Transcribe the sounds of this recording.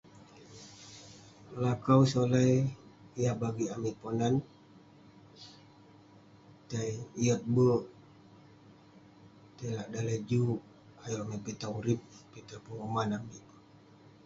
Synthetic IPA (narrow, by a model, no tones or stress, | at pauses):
lakawsolajijabaɡiamiponan | t̪ajiət̚bə | t̪əlaʔdalad͡ʒuʔ | ajomepit̪auɾip̚ːit̪apuŋomanamip